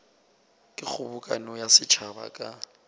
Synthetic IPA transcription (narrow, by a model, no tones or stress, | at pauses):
kʼɪk͡xʰʊbʊkʼa̰nɔjasɪt͡ʃʰaba̰kʼa